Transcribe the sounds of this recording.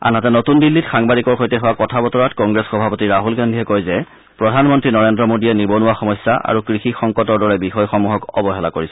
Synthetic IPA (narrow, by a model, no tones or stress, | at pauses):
a̰natɛnotundilːitxaŋbadikɔɹxojtɛɦʊwakɔtʰabɔtɔɹatkɔŋɡɹesxɔbʱapotiɹaɦulɡandʱiɦɛkojzɛ | pɹɔdʱanmɔntɹinɔɹendɔmodiɛnibɔnʊwaxɔmɔjsːaʔa̰ɹukɹixixɔŋkɔtɔɹdɔɹɛbixɔjxɔmuɦɔkɔ̰bɔɦɛla̰koɹisɛ̥